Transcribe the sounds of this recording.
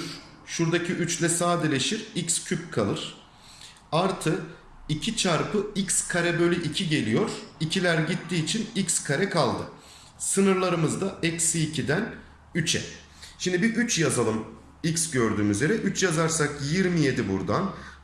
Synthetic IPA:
ɾ̥ | ʃuɾd̪acʰiʔyt͡ʃlʲɛsaːd̪elʲe̞ʃiɾicscʰyp̚kʰalˠɯɾ̥ | aɾt̪ʰɯ | icʰit͡ʃʰaɾpʰɯicskʰaɾɛbø̞lʲyʔicʰiɟe̞lʲijo̞ɾ̥icʰilʲæɾɟit̪ːiːt͡ʃʰinicskʰaɾɛkʰalˠd̪ɯ̰ | sɯnɯɾlˠaɾɯmɯzd̪aɛcsiːcʰid̪æn | yt͡ʃʰɛ̰ | ʃimd̪ibiʔyt͡ʃjazalˠɯm | icsɟø̞ɾd̪yːmyzjʲe̞ɾɛʔyt͡ʃjazaɾsakjiɾmije̞d̪ibṵɾd̪an

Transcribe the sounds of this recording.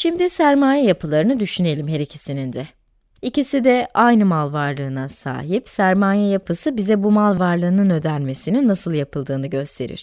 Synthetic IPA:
ʃimd̪isæɾmaːjɛjapʰɯlˠaɾɯnɯd̪yʃyne̞lʲimɦe̞ɾecʰesinind̪ɛ | icisid̪ɛajnɯmalˠvaɾlˠɯːnasa̰ːɦipsæɾmaːjɛjapʰɯsɯbizɛbumalˠvaɾlˠɯːnɯnø̞d̪ælʲme̞sininːasɯlˠjapɯlˠd̪ɯːnɯɟø̞st̪ʰe̞ɾḭɾ̥

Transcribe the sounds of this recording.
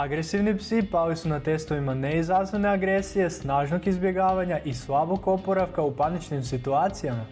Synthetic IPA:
aɡɾesiʋnipsipalisunat̪est̪o̞ʋimaneizɾazneneaɡɾesije̞snaːʒnokizbje̞ɡaːʋaɲaʔislˠaboko̞poɾaʋkaupanit͡ʃnimsit̪uaːt̪sijama

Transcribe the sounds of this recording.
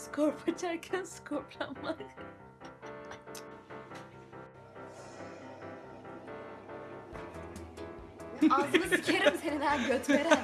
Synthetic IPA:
skʰoɾpʰat͡ʃʰaɾcʰænsɯ̥kʰoɾplˠanma | aznɯsicʰeɾimsʰe̞nilæɾɟøt̪meɾɛ

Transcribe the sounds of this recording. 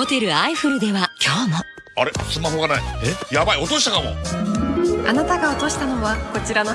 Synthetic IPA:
ho̞t̪e̞ɾɯ̟aiɸɯɾɯ̟d̪e̞βakʲo̞ːmo | aɾe̞sɨmaɦo̞ɡanaḭejabaio̞t̪o̞ɕi̥t̪akamo̰ | anat̪aɡaot̪o̞ɕi̥t̪ano̞βako̞t͡ɕiɾano

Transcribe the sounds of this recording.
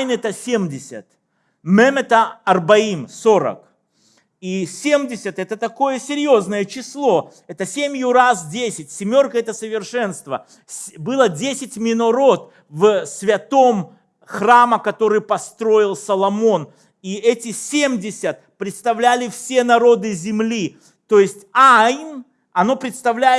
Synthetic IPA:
nɛt̪əsʲemʲdʲɪsʲə̰t̪ | mɛmʲɛt̪əɐrbɐimso̞ɾə̰k | isʲemdʲɪsʲət̪ɛt̪ət̪ɐko̞jəsʲɪɾʲjo̞znəjət͡ɕɪslˠo̞ | ɛt̪əsʲemʲjʊɾasdʲesʲɪt̚ʲsʲɪmʲo̞rkəɛt̪əsəvʲɪrʂɛnst̪və̰ | sbɨlˠədʲesʲɪtʲmʲɪnɐɾo̞t̪ | vsvʲɐt̪o̞m | xraməkɐt̪o̞ɾɨjpɐst̪ɾo̞ɪlˠsəlˠɐmo̞n | iɛtʲɪsʲemdʲɪsʲət̪̚pɾʲɪt̪st̪ɐvlʲælʲɪfsʲe̞nɐɾo̞d̪ɨzʲɪmlʲi | t̪o̞jɪsʲtʲajn | ɐno̞pɾʲɪt̪st̪ɐvlʲæɪ

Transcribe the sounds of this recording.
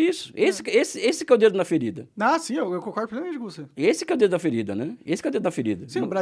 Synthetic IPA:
isʊ̥esɪ̥kesɪesɪkɛʊd̪ed̪ʊnɐfeɾid̪ɐãsĩewewkõkɔɾd̪pɾolemɐmẽt͡ʃɪkõvoseesɪkɛwd̪ed̪ʊɐfeɾid̪ɐ̰nɛesɪkɛwd̪ed̪ʊnɐfeɾḭd̪ɐsĩbɾa

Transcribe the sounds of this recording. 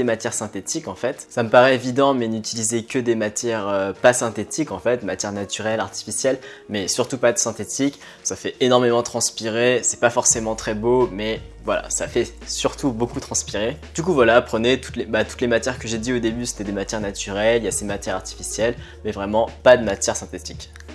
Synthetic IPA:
d̪emat̪jɛʁsɛ̃t̪et̪ikɑ̃fɛt̪saməpaʁɛevid̪ɑ̃mɛnyt̪ilizekəd̪emat̪jɛʁøpasɛ̃t̪et̪ikɑ̃fɛt̪mat̪jɛʁnat̪yʁɛlaʁt̪i̥fisjɛl | mɛsyʁt̪upad̪əsɛ̃t̪et̪ʰik | safɛʔenɔʁmemɑ̃t̪χɑ̃spiʁesɛpafɔʁsemɑ̃t̪χɛbomɛ | vwala̰safɛ | syʁt̪ubokut̪χɑ̃spiʁed̪̥ykuvwalapχənet̪u̥t̪lebat̪u̥t̪lemat̪jɛʁkəʒed̪iod̪ebyse̥t̪ɛd̪emat̪ʲjɛʁnat̪yʁɛlijasemat̪jɛʁaʁt̪i̥fisjɛl | mɛvʁɛmɑ̃pad̪əmat̪jɛʁsɛ̃t̪et̪i̥kʲ

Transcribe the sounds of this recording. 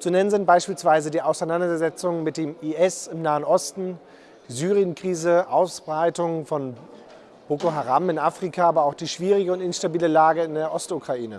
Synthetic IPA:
t͡sunɛnənzɪnt̚b̥aɪʃpiːlsv̥aɪzədiːʔaʊsaɪnandɐɐzɛt͡sʊŋmɪt̚d̥eːmiʔɛsɪmnaːənʔɔstn̩ | d̥iːzyːʁijənkʁ̥iːzəʔaʊsb̥ʁaɪtʊŋfɔn | b̥oːkoɦaʁamɪnʔafʁ̥ikʰaaːbɐaʊxd̥iːʃv̥iːʁ̞ɪɡəʊntɪnʃtabiːləlaːɡəɪndeːɐʔɔstukʁ̥aʔiːnə̰

